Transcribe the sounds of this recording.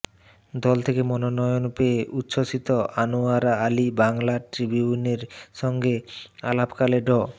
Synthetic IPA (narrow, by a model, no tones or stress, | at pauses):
d̪ɔlt̪ʰekemɔnonɔjonpeeʔut̪ːʃʰoʃit̪oʔanuaɾaalibaŋlaʈɾibiuneɾʃɔŋɡea̰lapkaleɖɔ